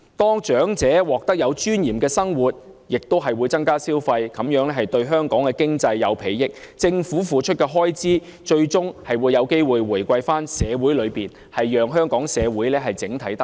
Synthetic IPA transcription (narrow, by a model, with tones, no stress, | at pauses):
t̪ɔː˥ŋt͡ʃœː˨˥ŋt͡sɛː˨˥wɔː˨k̚t̪ɐ˥k̚jɐ˨˧wt͡ʃyː˥njiː˨˩mkɛː˧sɐ˥ŋwu˨˩t̚ | jɪ˨k̚t̪o˥wɦɐ˨jwuː˨˧jt͡sɐ˥ŋkaː˥siː˥wfɐ˧jkɐ˨˥mjœː˨˥ŋlɛ˥ɦɐ˨jt̪ɵ˧ɥɦœː˥ŋkɔː˨˥ŋkɛː˧kɪ˥ŋt͡sɐ˧jːɐ̰˨˧wpʰe˨˥jjɪ˥k̚t͡sɪ˧ŋfu˨˥fuː˨t͡ʃʰɵ˥t̚kɛː˧ɦɔː˥jt͡siː˥ | t͡ʃɵ˧ɥt͡sʊ˥ŋhɐ˨jwuː˨˧jɐ˨˧wke˥jwuː˨jwuː˨˩jkʷɐ˧jfaː˥nsɛː˨˧wuː˨˥jlɵ˨˧ɥpiː˨˩n | hɐ˨jːœː˨ŋɦœː˥ŋkɔː˨˥ŋsɛː˨˧wuː˨˥jlɛː˥ɦɐ˨jt͡sɪ˨˥ŋt̪ʰɐ˨˥jt̪ɐ˥k